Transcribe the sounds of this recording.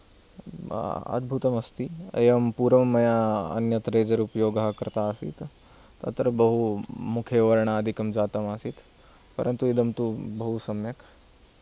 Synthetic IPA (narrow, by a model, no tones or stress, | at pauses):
ɐ̰d̪̚bʱut̪ɐmɐst̪ieɐmpuːɾɐmːɐjaɐ̰njɐt̪ɾeːd͡ʒɐɾupjoːɡaɦkɐɾt̪aːsḭt̪ | t̪ɐ̰t̪ɾɐbɐɦumukʰjeʋɐɾɳaːd̪ʱikɐmd͡ʒaːt̪ɐmaːsit̪ | pɐɾʔɐ̃nt̪uɪd̪ɐmt̪ubɐɦusɐmjɐk